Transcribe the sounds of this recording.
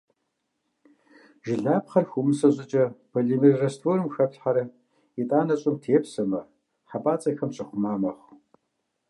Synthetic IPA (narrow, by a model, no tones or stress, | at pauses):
ʒɪɮaːpχɐrxʷumɨsɐʑʼɪt͡ʃʼɐpʰɐɮimirɐstʰoɾɨmxɐpɬħaɾɐ | itʼaːnɐɕʼɪmtʰeːpsɐmɐ | ħapʼaːt͡sʼɐxɐmɕʼɪχʷʊmaːmɐχ